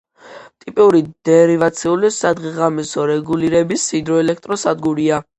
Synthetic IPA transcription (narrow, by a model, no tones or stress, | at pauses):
t̪ʼipʼiuɾid̪̥ɛɾivat̪sʰiulisad̪ʁiʁamisɔɾɛɡuliɾɛbisːid̪ɾɔɛlɛk̚ʰt̪ʼɾɔsad̪ɡuɾia